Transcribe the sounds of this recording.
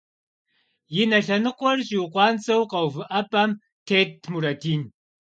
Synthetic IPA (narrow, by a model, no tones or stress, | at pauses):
jɪnɐɬɐnɨqʷʼɔrʑʼiwqʷɑːnt͡sʼɐwqɐwvɨʔɐpʼam | tʰeːt̚ʰmuɾɐtʰiːn